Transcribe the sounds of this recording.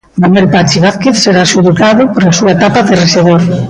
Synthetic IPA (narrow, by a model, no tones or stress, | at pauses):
manwelpat͡ʃeβ̞aθkeθseɾaʃuðukaðʊpoɾasuaet̪apaðɪreʃeðoɾ